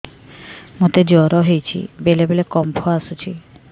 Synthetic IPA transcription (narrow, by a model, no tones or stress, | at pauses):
mot̪ed͡ʑɔɾɔɦejt͡ɕʰḭbelebelekɔmpʰoasut͡ɕʰi